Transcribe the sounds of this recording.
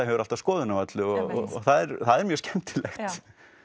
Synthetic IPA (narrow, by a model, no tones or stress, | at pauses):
ahɛvʏɾalt̪av̥skɔːðʏnavat̪lɪɔɔ̰ɔ̰θaðɛɾθaðɛɾmjœscɛmt̪ɪlɛxt̪